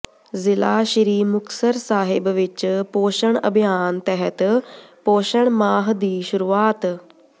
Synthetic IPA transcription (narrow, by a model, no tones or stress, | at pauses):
zɪlaːʃɪɾiːmʊksəɾsaːɦɪbʋɪt͡ʃpoːʃəɽ̃ɐ̰bʱijaːnt̪ɛɦət̪poːʃəɽ̃maːɦd̪iːʃʊɾuːaːt̪